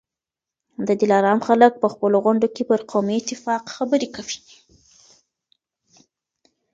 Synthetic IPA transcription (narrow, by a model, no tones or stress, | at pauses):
d̪əd̪ɪlɑɾɑmxalək̚pəxpəloɣʊɳɖokepəɾqʰomiɪt̪ɪfɑqxabəɾekawi̥